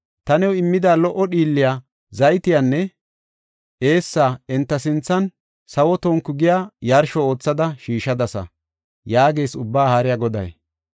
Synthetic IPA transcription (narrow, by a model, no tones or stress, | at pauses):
t̪ɐnɛwɪmːɪd̪aːlɔʔɔɗiːlːɪja | zɐjt̪ɪjanːɛ | ʔe̞ːsːaːɛnt̪ːɐsɪnt͡sːɐn | sɐwɔt̪oːŋkːʊɡɪjaːjɐɾʃɔo̞ːt͡sːɐd̪ɐʃiːʃɐd̪ɐsɐ̰ | jaːɡeːsʊbːaːhaːɾɪjaɡɔd̪ɐ̰j